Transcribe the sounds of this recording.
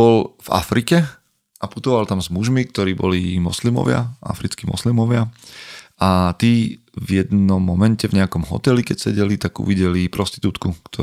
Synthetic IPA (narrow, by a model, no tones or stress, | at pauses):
bɔlva̰fɾikɛ | ʔaput̪ɔʋalt̪amzmuʒmik̚t̪ɔɾiːbɔlimɔslimɔ̰ʋɪa̰ʔa̰fɾit͡skiːmɔ̰slimɔʋɪa | at̪i | vjɛd̪nɔmːɔmɛncɛvɲɛakɔmɦɔ̰t̪ɛlikɛcsɛɟɛlit̪aɡṵʋiɟɛlipɾɔst̪i̥t̪uːt̪kukt̪ʰɔ